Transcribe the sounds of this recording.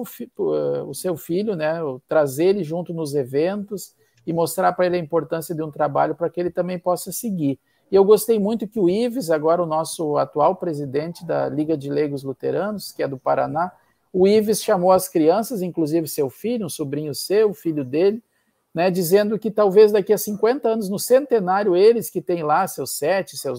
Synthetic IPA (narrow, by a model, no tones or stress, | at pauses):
ʊfipɛʊsewfilʎʊnɛt̪ɾazelɪʒũnt̪ʊnʊzevẽnt̪ʊs | ɪmost̪ɾaɾpɾɐelɪɐĩmpoɾt̪ɐ̃siɐd̪ɪũt̪ɾaba̰ʎʊpɾɐkɪelɪt̪ɐ̃mbẽj̃pɔsɐsɪɡiɾ | ɪewɡost̪ejmũj̃t̪ʊkɪʊivɪzaɡɔɾɐʊnɔsʊat̪uawpɾezid̪ẽnt͡ʃɪd̪ɐ̰liɡɐd͡ʒɪleɡʊzlut̪ḛɾɐ̃nʊskɪɛd̪ʊpaɾa̰na | ʊivɪsʃamowɐskɾiɐ̃sɐzĩŋkluzivɪsewfiʎʊũsubɾĩɲʊsewʊfiʎʊd̪elɪ | nɛd͡ʒizẽnd̪ʊkɪt̪awvezd̪akiɐsĩkwẽnt̪ɐɐ̃nʊznʊsẽnt̪enaɾjʊelɪskɪt̪ẽj̃lasewsːɛt͡ʃɪsew